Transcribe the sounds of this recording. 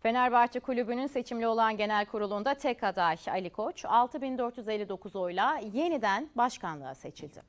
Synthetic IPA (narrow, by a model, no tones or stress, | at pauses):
fe̞næɾbaɾt͡ʃ̪ʰɯkulʲybynynse̞t͡ʃʰimlʲio̞lˠanɟe̞nælʲkʰuɾulˠund̪at̪ʰɛkʰad̪aja̰lʲikʰo̞t͡ʃalˠt̪ʰɯbind̪øɾt̪jyze̞lʲːid̪o̞kʰuzo̞jlˠaje̞nid̪ænbaʃkanlˠɯ̰a̰se̞t͡ʃʰilʲd̪ɪ̰